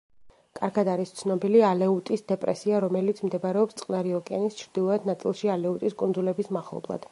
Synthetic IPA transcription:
kʼaɾɡad̪aɾist̪sʰnɔbilialɛut̪ʼisd̪ɛpʼɾɛsiaɾɔmɛlit̪sʰmd̪ɛbɾɛɔpst̪ʼqʼnaɾiɔkʼɛanist͡ʃʰɾd̪̥ilˠɔɛd̪nat̪sʼḭlˠʃialɛut̪ʼiskʼund̪zulɛbismaχlˠɔ̰blˠa̰d̪̥

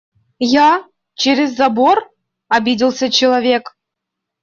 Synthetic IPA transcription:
jɑ | t͡ɕeɾʲɪzːabor | ɑbʲidʲilˠsʲət͡ɕɪlˠavʲek

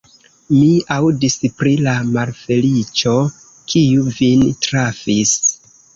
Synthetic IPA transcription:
miawdispɾilamalfe̞lit͡ʃo̞ | kʰijuvintɾafis

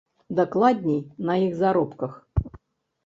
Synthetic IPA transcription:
d̪aklˠad̪ʲnʲejnɐjiɣzaɾɔpkɐx

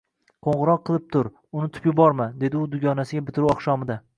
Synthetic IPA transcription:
qʰoɴʁɨɾɒqʰːɨlˠɪp̚t̪ʰʊɾ | ʊnɪt̪ʰʊ̥pjʊbɒɾmad̪e̞d̪ɪʊd̪ʊɡʲɒnasɪɡʲabɪt̪ʰɪɾuɒχʃɒmɪd̪a

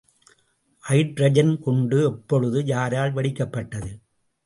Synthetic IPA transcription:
ʔɐɪʈɾɐd͡ʒɐnkɔɳɖɯɛpːɔɻɯðɯjaːɾaːɭʋɐɽɪkːɐpːɐʈːɐðɯ

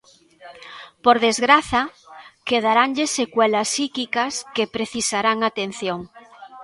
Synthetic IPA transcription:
poɾðezɣɾaθɐkeð̞aɾaŋʎesekwɛlɐsːikikɐskepɾeθisaɾaŋat̪en̟θjoŋ

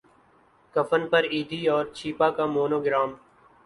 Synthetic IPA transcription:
kəfənpɐɾiːd̪ʱiːɔːɾt͡ʃʰiːpakamoːnoːɡɪɾaːm

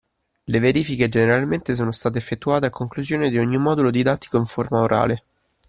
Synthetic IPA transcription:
leveɾiːfiked͡ʒeneɾalment̪es̬oːnost̪aːt̪̬eːfːet̪ːuaːt̪eakʰːoŋkluzjoːned̪ioɲːimɔd̪ulod̪id̪at̪ːi̥koiɱformaoɾʔa̰ːle

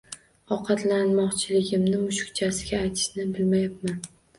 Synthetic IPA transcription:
ɒqʰɑt̪lanmɒqt͡ʃʰɪlɪɡʲɪmnɪmʊʃʊkt͡ʃʰasɪɡʲaːjt̪ʰɪ̥ʃnɪbɪlmajap̚man

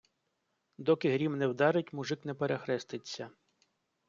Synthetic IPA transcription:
d̪ɔkɪɦɾʲimnɛwd̪ɑɾɪtʲmʊʐɪknɛpeɾexɾɛst̪ɪt͡sʲːɐ

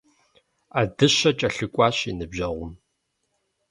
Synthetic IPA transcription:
adɨɕɐt͡ʃʼɐɬɨkʷʼɑːɕinɨbʑɐʁʷʊm

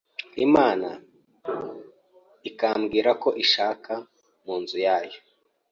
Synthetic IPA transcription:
imaːna̰ | ikaːmɡiːɾako̞ʔiʃaːka | muːnzujaːjo

